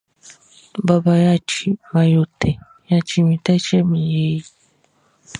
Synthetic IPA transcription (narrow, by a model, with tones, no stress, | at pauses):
ba˨˧ba˧ja˦t͡ʃi˨mã˨jo˨t̪ɛ˨ | ja˦t͡ʃi˧mĩ˨t̪ɛ˦t͡ʃɛ˦mĩ˨je˦ji˨